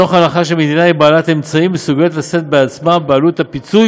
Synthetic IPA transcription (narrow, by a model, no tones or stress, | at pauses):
o̞χanaχaʃelmed̪inaibaːlat̪e̞mt͡saimesuɡet̪lase̞t̪̚beat͡smabealutapit͡suj